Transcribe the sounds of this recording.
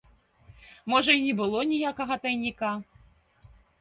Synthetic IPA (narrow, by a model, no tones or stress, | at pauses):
mɔʐɐinʲɛbɨlˠɔnʲijakɐɣɐt̪ɐjnʲika